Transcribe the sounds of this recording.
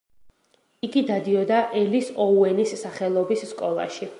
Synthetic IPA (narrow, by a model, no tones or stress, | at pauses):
iɡid̪ad̪iɔd̪aʔɛlisɔuɛnisːaχɛlˠɔbisːkʼɔlˠa̰ʃi